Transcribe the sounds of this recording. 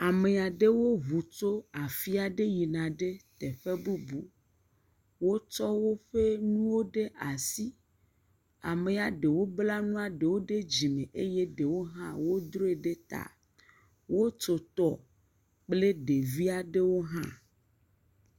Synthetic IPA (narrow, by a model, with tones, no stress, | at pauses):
a˨me˨a˨ɖe˦wo˦βu˨t͡ʃo˦a˨fi˦a˨ɖe˦ji˨nã˨ɖe˦t̪e˨ɸe˦bu˦bu˦ | wo˦t͡ʃɔ˦wo˦ɸe˦nũ˦wo˦ɖe˦ʔa˨si˦ | a̰˨me˨a˨ɖe˨wo˦bla˦nũ˦a˨ɖe˨wo˦ɖe˦d͡ʑi˨mẽ˨ʔe˦je˦ɖe˨wo˦ɦã˦wo˦d̪ɾo˦e˨ɖe˦t̪a̰˨ | wo˦t͡ʃo˨t̪ɔ˦ | k͡ple˦ɖe˨vi˦a˨ɖe˦wo˦ɦã̰˦